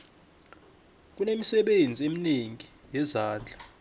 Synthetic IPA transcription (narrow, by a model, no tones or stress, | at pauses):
k̬unemisɛɓend͡zʱiemineŋi | jɛzaːnd͡ɮʱa